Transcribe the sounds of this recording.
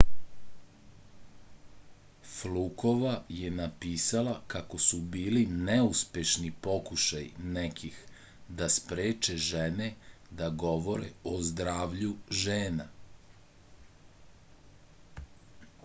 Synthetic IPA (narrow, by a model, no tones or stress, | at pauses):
fluko̞ʋajenapiːsalakako̞subiːlinɛuspje̞ʃnipo̞kuʃajnekʰix | d̪aspɾeːt͡ʃeʒene | d̪aɡo̞ʋoɾḛozd̪ɾaːʋʎuʒeːna